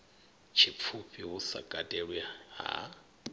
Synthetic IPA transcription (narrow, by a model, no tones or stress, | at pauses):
t͡ʃʰip̪fʰuɸiɦusa̰kʼatʼeɺwiaɦa̰